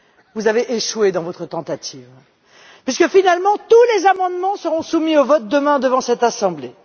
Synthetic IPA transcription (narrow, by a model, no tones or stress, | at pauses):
vuzaveʔeʃwed̪ɑ̃vɔt̪χət̪ɑ̃t̪at̪ʰiv | pɥiskəfinalmɑ̃t̪ulezamɑ̃d̪mɑ̃səʁɔ̃sumiovɔt̪̚d̪əmɛ̃d̪əvɑ̃sɛt̪asɑ̃ble